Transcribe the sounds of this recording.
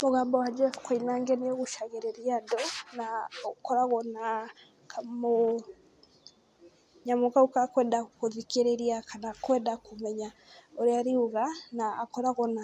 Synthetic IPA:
moɣaːmbɔwad͡ʒɛfkoinaŋɡɛnijoɣoʃaɣeɾɛɾjadɔnaokɔɾaɣɔna | kʰamo | ɲamɔkaukakwɛːndakoðikeɾeɾiakanakwɛndakomɛɲa | oɾeaɾiuɣanaːkɔɾaɣɔna

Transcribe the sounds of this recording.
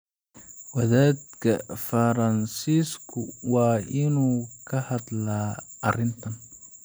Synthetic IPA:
wɐðaːd̪kʰɐfɐɾɐnsiːskʰʊwɑːʔɪnuːkʰɐhɐd̪laːʔɐrɪnt̪ʰɐn

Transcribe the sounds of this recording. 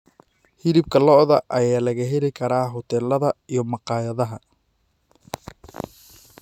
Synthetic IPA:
hɪlɪb̚kʰɐlɔʔðɐʔɐjaːlɐɣɐɦɛlɪkʰɐɾaːɦɔt̪ʰɛlːɐðɐijɞmɑqɑːjɐðɐɦɐ

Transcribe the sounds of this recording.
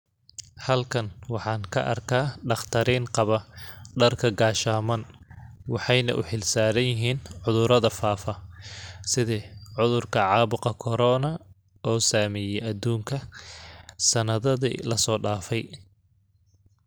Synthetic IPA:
hɐlkʰɐnwɑħɑːnkʰɐ̰ʔɐ̰rkʰaːɖɑχt̪ʰɐɾiːnqɑβɐɖɐrkʰɐɡaːʃaːmɐnwɑħɑjnɐ̰ʔʊ̰ħɪlsaːɾɐnjɪɦiːnʕʊðʊɾɐðɐfaːfɐ | sɪðɛːʕʊðʊrkʰɐʕɑːβʊqɐkʰɔɾɔːnɐ | ɔːsaːmɛjɛʔɐd̪uːŋkʰɐ | sɐnɐðɐðḭlɐsɔːɖaːfɛj

